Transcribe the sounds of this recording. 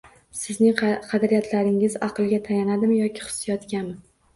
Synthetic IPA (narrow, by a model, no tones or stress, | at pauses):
sɪznɪŋqʰɑd̪aɾijat̪ʰlaɾɪŋɪzɑqʰɨlˠɡʲat̪ʰajanad̪ɪmjɒkʲɪ̥χɨ̥sjɒt̪kʲanmɪ